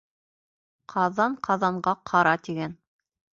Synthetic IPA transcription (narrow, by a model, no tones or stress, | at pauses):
qʰɑðɑɴqʰɑðɑɴɢɑqʰɑɾɑt̪iɡæn